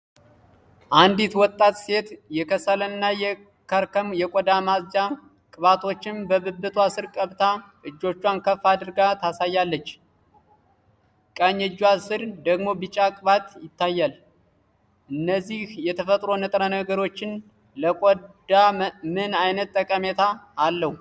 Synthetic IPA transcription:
ʔand̪it̪wɔt̪ʼːat̪se̞t̪jɛkʰəsələnːajɛ | kʰəɾkəmjɛkʷʼɔd̪amasd͡ʒa | kʼɨβat̪ʰo̞t͡ʃːɪnbəβɨbːɨt̪ʰuasɨɾkʼəβt̪ʰa | ʔɨd͡ʒːo̞t͡ʃːwankʰəfːad̪ɨɾɡat̪ʰasajːalːət͡ʃː | kʼaɲːɛd͡ʒːwasɨɾd̪əɡmo̞bɨt͡ʃʼːakʼɨβat̪jɪt̪ːajːal | ʔɨnːəzːihjɛt̪ʰəfət̪ʼɾo̞nɨt̪ʼɾənəɡəɾo̞t͡ʃːɪn | ləd̪amɨnajnət̪̚ʼːəkʼəmet̪ʰaːlːəhu

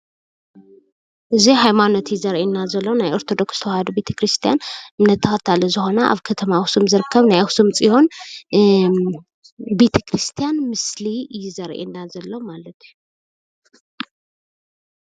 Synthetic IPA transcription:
ʔɨzihajmano̞t̪jɪzɐɾʔenːazɐlːo̞najoɾt̪ʰo̞d̪o̞ksɨ̥t̪ʰɐwahɐd̪obe̞t̪ʰɐ̥kʰɾist̪ʰijanɨmnːɐt̪ʰːɐxɐt̪ʰalɐzɨxo̞nɐʔa̰βkʰɐt̪ʰɐmawsumzɨɾɨkʰːɐβnajawsumt͡sʼijon | be̞t̪ʰɐkɾɨst̪ʰijanmɨslijɪzɐɾʔḛnːazɐlːo̞malɐt̪ʰi̥ju

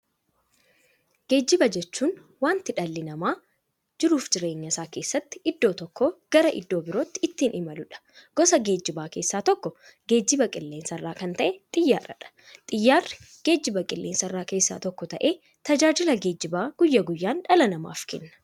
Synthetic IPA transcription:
ɡ̥e̞ːd͡ʒːɪbɐd͡ʒɛt͡ʃːuːn | waːnt̪ɪᶑɐlːɪnɐmaː | d͡ʒɪɾuːfd͡ʒɪɾe̞ːɲːɐsaːke̞ːsːɐt̪ːɪ̥ɪd̪ːo̞ːt̪ɔkːoːɡ̥ɐɾɐʔɪ̰d̪ːo̞ːbɪɾoːt̪ːɪɪt̪ːiːnɪmɐlʊᶑɐ̥ | ɡ̥ɔsɐɡe̞ːd͡ʒːɪbaːke̞ːsːaːt̪ɔkːɔ | ɡe̞ːd͡ʒːɪbɐkʼɪlːeːnsɐrːaːkɐnt̪ɐʔɛt̪ʼɪjːaːrɐ̰ᶑɐ̥ | t̪ʼɪjːaːrɪ | ɡ̥e̞ːd͡ʒːɪbɐkʼɪlːeːnsɐrːaːke̞ːsːa̰ːt̪ɔkːɔt̪ɐʔe̞ː | t̪ɐd͡ʒaːd͡ʒɪlɐɡe̞ːd͡ʒːɪbaːɡ̥ʊjːɐɡʊjːaːnᶑɐlɐnɐma̰ːfkɛ̰nːɐ̥

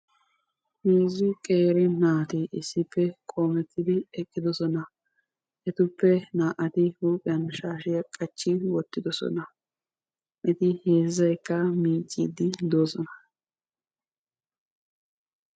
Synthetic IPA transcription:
heːzːɪkʼe̞ːɾɪnaːt̪ɪʔɪsːɪpːɛkʼo̞ːmɛt̪ʰːɪd̪ɪɛkʼːɪd̪ɔsɔnɐ | ʔɛt̪ʊpːɛnaːʔɐt̪ɪhuːpʼɪjɐnʃaːʃɪjɐkʼɐt͡ʃːɪwɔt̪ːɪd̪ɔsɔ̰nɐ | ʔɛt̪ɪheːzːɐjkːɐmiːt͡ʃʼːḭːd̪ɪd̪oːsɔnɐ

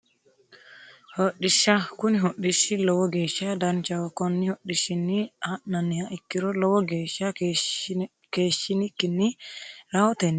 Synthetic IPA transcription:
hoɗːiʃakuniɦoɗːiʃilɔwɔɡeʃadant͡ʃawɔkɔnːihoɗiʃinːihananːijaʔikːiɾɔlɔwɔɡeʃa | keːʃinikːinːiɾawɔt̪ɛnːi

